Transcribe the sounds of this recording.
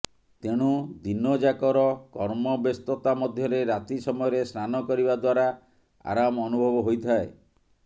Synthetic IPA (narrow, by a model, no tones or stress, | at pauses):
t̪eɽ̃ud̪inɔd͡ʒakɔɾɔkɔɾmɔbest̪ɔt̪amɔd̪ʱjɔɾeɾat̪isɔmɔjɔɾesnanɔkɔɾibad̪waɾa | a̰ɾamɔɔnubʱɔbɔɦojt̪ʰae